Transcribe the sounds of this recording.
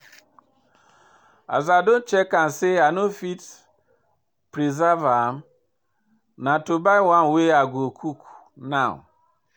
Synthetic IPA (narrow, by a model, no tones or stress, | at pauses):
a̰zadon̩t͡ʃekan̩seanofit | pɾizavam̩ | natobaɪwanweaɡʷokʰukʷu̥naʊ̰